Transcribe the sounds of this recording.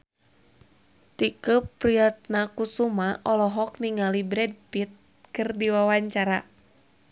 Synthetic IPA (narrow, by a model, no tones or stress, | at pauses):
t̪ikəpɾiat̪̚nakusumaʔɔlɔɦɔk̚niŋalibɾɛd̚pit̪̚ | kɨrdiwawaɲt͡ʃaɾa